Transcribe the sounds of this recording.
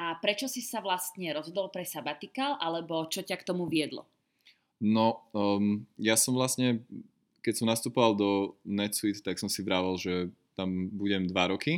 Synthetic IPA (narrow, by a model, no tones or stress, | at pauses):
apɾɛt͡ʃɔsisaʋlast̪ɲɛɾɔzɦɔd̪ɔlpɾɛsabat̪ikalʔalɛbɔt͡ʃɔcakt̪ɔmuʋɪɛd̪lɔ̰ | nɔ | jasɔmʋlast̪ɲɛ | kɛcsɔmnast̪upɔʋalˠd̪ɔnɛt̪sit̪t̪aksɔmsivɾaʋalʒɛ | t̪ambuɟɛmd̪ʋaɾɔki